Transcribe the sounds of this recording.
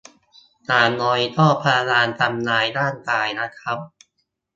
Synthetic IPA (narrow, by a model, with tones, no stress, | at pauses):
naː˨˩nɔ˧jt̪ʰɔː˥˩pʰaː˧laː˧nt̪a˧mnaː˧jdaː˥˩nkaː˧jna˦˥kʰɾa˦˥p̚